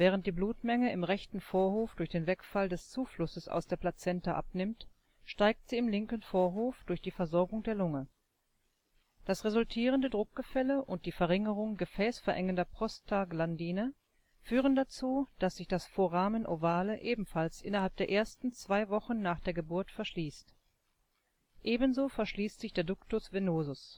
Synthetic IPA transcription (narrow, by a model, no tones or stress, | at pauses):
vɛːʁ̞ənt̚d̥iːbluːtmɛŋəɪmʁɛçtn̩foːɐɦoːfd̥ʊɐçd̥eːnvɛkfaldɛst͡suːflʊsəsa̰ʊsd̥eːɐplat͡sɛntaʔa̰pnɪmt | ʃtaɪk̚tz̥iːɪmlɪŋkənfoːɐɦoːfd̥ʊɐçd̥iːfɛɐzɔɐɡʊŋdeːɐlʊŋə | d̥asʁezʊltʰiːʁ̞əndədʁʊk̚ɡ̥əfɛləʔʊnt̚d̥iːfɛɐʁɪŋəʁ̞ʊŋɡəfɛːsfɛɐʔɛŋəndɐpʁ̥ɔstʰaɡlandiːnə | fyːʁ̞əndat͡suːd̥asz̥ɪçd̥asfoːɐʁaːmənʔovaːləʔeːbm̩falsʔɪnɐhalp̚d̥eːɐʔeːɐstn̩t͡sv̥aɪvɔχn̩ːaːχd̥eːɐɡəbʊɐtfɛɐʃliːst | ʔeːbənzoːfɛɐʃliːstz̥ɪçd̥eːɐdʊktʊsv̥enoːzʊs